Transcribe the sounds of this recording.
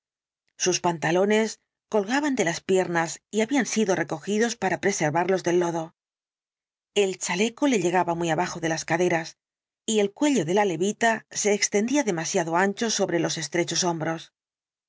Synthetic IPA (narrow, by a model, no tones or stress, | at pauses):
suspant̪alo̞ne̞s | ko̞lɣaβand̪e̞laspje̞ɾnasiaβiansiðo̞re̞ko̞xiðo̞spaɾapɾe̞se̞ɾβaɾlo̞zðe̞lːo̞ðo̞ | e̞lt͡ʃale̞ko̞le̞ʎe̞ɣ̞aβamijaβaxo̞ðe̞laskaðe̞ɾas | ie̞lkwe̞ʎo̞ðe̞lale̞βit̪ase̞ːkst̪e̞nd̪iaðe̞masjaðo̞ant͡ʃo̞so̞βɾe̞lo̞se̞st̪ɾe̞t͡ʃo̞so̞mbɾo̞s